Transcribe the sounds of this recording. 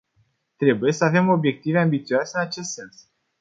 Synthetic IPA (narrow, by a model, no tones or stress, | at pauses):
t̪ɾe̞buje̞səave̞mo̞bje̞k̚t̪ive̞ambit̪sioase̞ɨnat͡ʃe̞st̪se̞ns